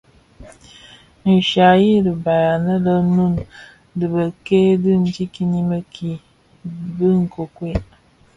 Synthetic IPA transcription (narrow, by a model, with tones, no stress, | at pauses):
n̩˨ʃa˨ji˦ɾə˨ba˨ja˨nə˦lə˦nu˦˨n | dɨ˨bə˨ke˦dɨ˦n̩˦d͡ʒi˦ki˦ni˦mə˦kʰi˨ | bɨ˦ŋ̩˨ko˨kwe˦